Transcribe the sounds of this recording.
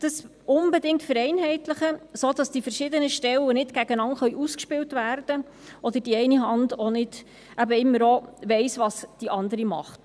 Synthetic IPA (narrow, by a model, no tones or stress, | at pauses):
d̥əs | ʊnbɛdɪŋktfəɾɛɪnɦɛɪtləχəsod̥ɑsd̥ifəɾʃɪdənəʃtɛlːənɪtɡ̥æɡənɑnχœʏɥʔuskʃpɪltvæːrd̥ə | ʔɔd̥əd̥iɛɪniɦɑndonɪd̥ | ʔæbəɪmːəɾovɛɪsʋɑsd̥iʔɑndəɾimɑ̰χt